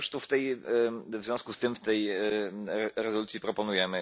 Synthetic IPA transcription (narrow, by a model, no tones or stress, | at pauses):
ʂt̪uft̪ɛj | vzʲjɔ̃wskust̪ɘmft̪ɛj | ɾɛzɔlut̪ʲjipɾɔpɔnujɛmɘ